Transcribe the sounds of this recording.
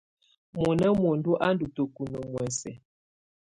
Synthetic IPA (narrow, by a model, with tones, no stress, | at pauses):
mɔ˨nə˦mo˨ndu˦ʔa˦n˦du˨tə˨ku˨nə˨mwɛ˨sɛ˨